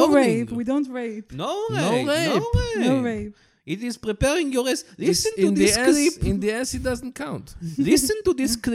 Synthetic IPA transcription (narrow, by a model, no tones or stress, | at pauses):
oɹẽpwid̪õw̃ntɹepnowʁenoʁepenoɹeɪp | it̪izpɾɨpɛɾĩŋjolɛslˠisɨ̃ñnðiɛklipĩnd̪iɛsit̚d̪ɐz̃nt̚kʰãw̃ntlˠisɨ̃nt̪uðiskl